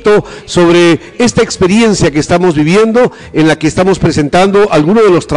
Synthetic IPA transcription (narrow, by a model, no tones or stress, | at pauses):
t̪oso̞βɾe | est̪aekspe̞ɾje̞nsjakeːst̪amo̞zβiβje̞nd̪o̞ | enlake̞ːst̪amo̞spɾese̞nt̪and̪o̞ʔalɣunozðelo̞st̪ɾa